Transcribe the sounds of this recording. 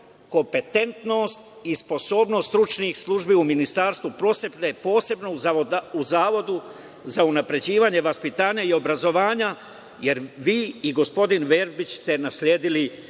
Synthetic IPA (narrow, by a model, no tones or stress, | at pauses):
ko̞mpe̞t̪e̞nt̪no̞st̪ispo̞so̞ːbno̞st̪t̪ɾut͡ʃniːxslˠuʒbiuminist̪aːɾst̪ʋupɾo̞ːsepnepo̞ːse̞bnouzaːʋo̞d̪u | zaunapɾe̞d͡ʑiːʋaːɲe̞ʋaspit̪aːɲaio̞bɾazo̞ʋaːɲa | je̞ɾʋiːiɡo̞spo̞d̪inʋeɾbit͡ɕst̪e̞nasʎʲeːd̪ili